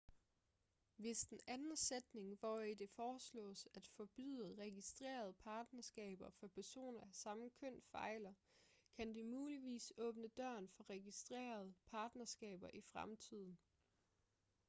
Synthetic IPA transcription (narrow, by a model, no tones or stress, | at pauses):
ʋe̝sd̥enænn̩sed̥ne̝ŋʋɒid̥e̝fɒːslɔ̰̽ːsæd̥fɒ̽b̥y̰ðˠʁɛɡ̥isd̥ʁḛːɐð̞ˠpʰɑ̈ːd̥nɐsɡ̥ɛ̰ːb̥ɐfɒpʰæɐso̝̰ːnɐæsɑ̈mkʰøn̰fɑ̈ɪlɐ | kʰænd̥imuːliʋḭːsɔ̽ːb̥nəd̥ɶɐnfɒ̽ʁɛɡisd̥ʁḛːɐð̞ˠpʰɑ̈ːd̥nɐsɡ̥ɛ̰ːb̥ɐʔifʁamt͡sʰið̞̰ˠn̩